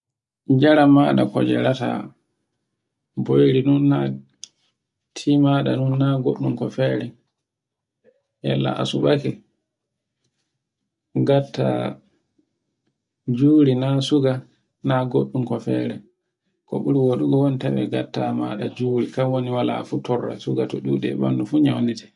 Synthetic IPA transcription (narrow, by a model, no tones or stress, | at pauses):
d͡ʒaɾamaːɗa̰kɔ̰d͡ʒɛ̰ɾata̰ | bojɾinunːa | tʰimaɗanunːaɡo̰ɗːumkɔfɛɾɛ | ja̰lːa̰ʔa̰suɓakɛ | ɡatːa̰ | d͡ʒuːɾinasuɡa | naɡoɗːumkɔfɛɾɛ | kɔ̰ɓuɾiwoɗuɡɔwonitawɛ̰ɡatːama̰ɗad͡ʒuɾikawoniwala̰futʰɔrːa̰suɡatɔɗuːɗɛ̰ba̰nːdufuɲawnitɛ̥